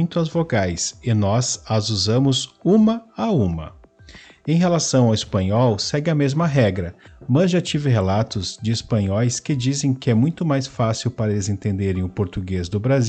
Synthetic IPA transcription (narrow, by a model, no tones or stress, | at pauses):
j̃t̪ʊɐzvoɡajsɪnɔzɐzuzɐ̃mʊzũmɐaũmɐ̰ | ẽj̃ɦelasɐ̃w̃awɪspɐ̃ɲɔwsɛɡɪɐmezmɐɦɛɡɾɐmɐzʒat͡ʃivɪɦelat̪ʊzd͡ʒɪispɐ̃ɲɔjskɪd͡ʒizẽj̃kɪɛmũj̃t̪ʊmajsfasiwpaɾɐelɪzẽnt̪ẽnd̪eɾẽj̃ʊpoɾt̪uɡezd̪ʊbɾaz